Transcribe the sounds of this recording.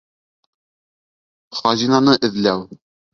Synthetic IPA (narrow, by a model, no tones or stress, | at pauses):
χɑzinɑnɤʔɘ̆ðlæw